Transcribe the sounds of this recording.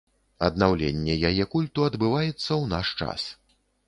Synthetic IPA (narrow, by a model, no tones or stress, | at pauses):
ɐ̰d̪nawlʲḛnʲːɛjajɛkulʲt̪uɐd̪bɨvajɛt̪sːɐwna̰ʂt͡ʂa̰s